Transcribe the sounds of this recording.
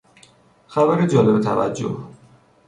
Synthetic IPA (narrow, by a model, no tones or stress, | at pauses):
xæbæɾed͡ʒɒːlebet̪ʰæ̰væ̰d͡ʒːo̰h